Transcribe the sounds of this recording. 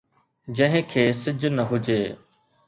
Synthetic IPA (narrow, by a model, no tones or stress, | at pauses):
d͡ʑɐ̃ɦɪ̃kʰeːsɪd͡ʑnəɦʊd͡ʑeː